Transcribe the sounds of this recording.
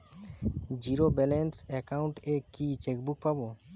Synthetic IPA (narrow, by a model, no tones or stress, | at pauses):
d͡ʑiɾobɛlensɛkauɳʈekit͡ɕek̚buk̚pabo